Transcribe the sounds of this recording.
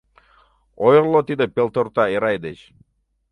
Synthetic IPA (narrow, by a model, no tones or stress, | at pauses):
ojlˠːot̪id̪əpʲelˠt̪oɾt̪aiɾajd̪et͡ʃ